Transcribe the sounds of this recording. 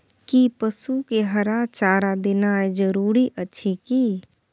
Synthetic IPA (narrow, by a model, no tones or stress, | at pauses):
kipəsukeɦəɾat͡ʃaːɾad̪ɪnaed͡ʒəɾuːɾiʔətːʃʰikiː